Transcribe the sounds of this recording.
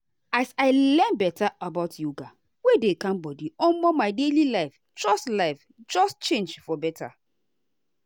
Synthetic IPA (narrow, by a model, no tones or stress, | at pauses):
asaɪlɛnbɛtaabaʊtjuɡa | wedekãmbɔdiɔ̃nmɔmaɪdelilaɪf | d͡ʒɔstlaɪf | d͡ʒɔstt͡ʃẽnd͡ʒfɔbɛtʰa̰